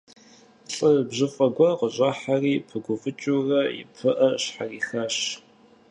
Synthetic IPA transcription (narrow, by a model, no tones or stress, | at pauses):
ɬʼɨbʑɨfʼɐɡʷɐqəɕʼɐħariːpʰɨɡʷʊfɨt͡ʃʼurɐjɪ̰pʰɨʔɐɕħariːxɐɕ